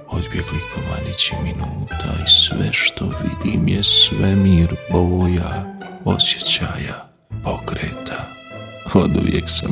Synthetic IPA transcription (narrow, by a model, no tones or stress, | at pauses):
od̪bjeklikoma̰ɲit͡ɕiminuːt̪ʰaisʋɛʃt̪o̞ʋid̪imjesʋɛmiːɾboːjaosje̥t͡ɕaːja | po̞kɾeːt̪ʰa | od̪uʋjeksam